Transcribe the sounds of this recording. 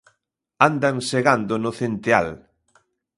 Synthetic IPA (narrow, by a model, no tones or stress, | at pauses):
and̪aŋseɣand̪ʊnʊθent̪ea̰l